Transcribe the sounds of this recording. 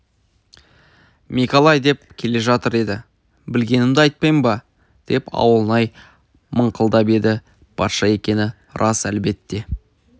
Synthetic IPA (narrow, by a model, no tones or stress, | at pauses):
mikolˠɑjd̪e̞p̚kʲʰe̞le̞ʒɑt̪əɾe̞d̪ɪ | bɪlɡʲe̞nɪmd̪ɪɑjt̪̚pɑjmbɑ | d̪̥e̞pʰɑ̰wəlˠənɑj | məɴqʰəlˠd̪ɑpe̞d̪ɪ | b̥ʰɑt̪ʃɑe̞kʲe̞nɪ | rʔɑsælbe̞t̪ːe̞